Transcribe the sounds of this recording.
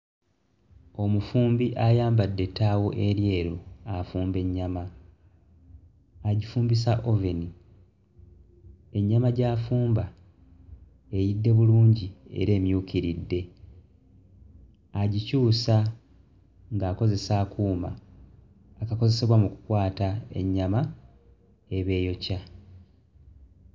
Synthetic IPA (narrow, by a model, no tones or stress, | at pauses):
o̞mufuːmbiʔajaːmbadːe̞tːaːwoʔe̞ɾje̞ːɾoafuːmbe̞ɲːama | ɟifuːmbis̬aʔo̞veni | e̞ɲːamaɟaːfuːmba | e̞jidːe̞βuluːɲɟie̞̰ɾe̞ːmjuːkiɾidːe̞ | aɟicuːsa | ŋɡaːko̞ze̞saːkuːma̰ː | kako̞ze̞se̞βwamuku̥kwaːtae̞̰ɲːama | e̞βe̞ːjo̞ca